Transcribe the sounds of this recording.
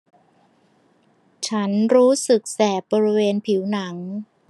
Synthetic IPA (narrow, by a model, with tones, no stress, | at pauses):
t͡ɕʰa˦˥nɾuː˦˥sɯ˨˩k̚sɛː˨˩t̚bɔː˧ɾi˦˥weː˧npʰi˩˦wna˩˦ŋ